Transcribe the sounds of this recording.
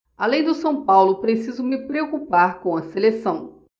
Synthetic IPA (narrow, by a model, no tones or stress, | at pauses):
alẽj̃d̪ʊsɐ̃w̃pawlʊpɾesizʊmɪpɾeokupaɾkõw̃ɐselesɐ̃w̃